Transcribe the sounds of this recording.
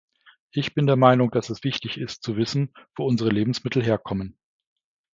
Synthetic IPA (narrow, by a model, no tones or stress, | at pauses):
ʔɪçb̥ɪndeːɐmaɪnʊŋd̥asɛsv̥ɪçtɪçɪstt͡suvɪsn̩v̥oːʊnzəʁəleːbm̩smɪtʰl̩ɦeːɐkʰɔmən